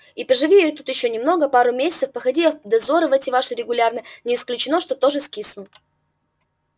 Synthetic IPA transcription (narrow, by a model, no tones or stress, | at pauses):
ipɾəʐɨvʲijejt̪ut̪jɪɕːonʲɪmno̞ɡəpaɾʊmʲesʲɪt̪səfpəxɐdʲiɐd̪ɐzo̞ɾɨvɛtʲɪvaʂɨɾʲɪɡʊlʲarnənʲɪːsklʲʉt͡ɕɪno̞ʂt̪o̞t̪o̞ʐɨskʲisnʊ